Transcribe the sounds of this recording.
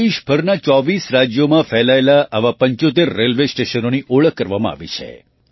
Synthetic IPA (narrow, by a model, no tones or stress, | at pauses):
iʃbʱəɾnat͡ʃɔʋisɾad͡ʒjomãfɛlaelaaʋapəɲt͡ʃot̪eɾːelʋesʈeʃənoniʔoɭəkːəɾʋamãa̰ʋḭt͡ʃʰḛ